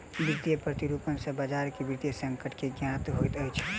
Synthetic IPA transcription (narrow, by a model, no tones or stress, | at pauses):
bid̪ijəpɾət̪iɾupənsə̃bad͡ʒaɾkebid̪ijəsəŋkəʈkeɡjat̪ɦojt̪əjt͡ʃʰ